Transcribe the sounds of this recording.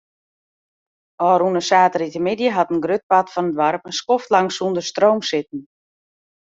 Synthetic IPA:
ɔːɾunəsaːtəɾitəmɪdjəɦɑtənɡrøt̚patfɔnətʋɔrpənskɔftlaŋsundərstrowmsɪtn̩

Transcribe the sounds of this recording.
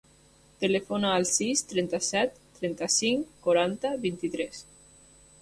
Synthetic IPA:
t̪elefonaːlˠsist̪ɾɛnt̪asɛt̪ːɾɛnt̪asiŋkoɾant̪aβint̪it̪ɾɛs

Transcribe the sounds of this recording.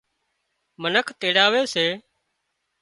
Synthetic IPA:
mənəkʰt̪eːɽaːʋeːseː

